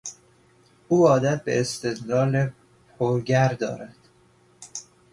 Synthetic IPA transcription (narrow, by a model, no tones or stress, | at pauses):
ʔuːɒːd̪æt̪̚bḛːst̪e̞d̪lɒːle | pʰoɾɡæɾd̪ɒ̰ːɾæd̪̥